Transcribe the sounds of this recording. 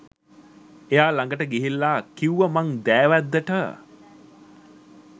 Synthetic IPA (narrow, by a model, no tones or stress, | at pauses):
ejaːlaŋɡəʈəɡiɦilːaːkiwʋəmaŋd̪æːʋæd̪ːəʈə